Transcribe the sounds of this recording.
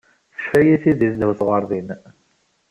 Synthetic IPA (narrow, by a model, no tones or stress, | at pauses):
θə̥ʃfæjiθiðiθd̪huθʁɑɾˤðˤin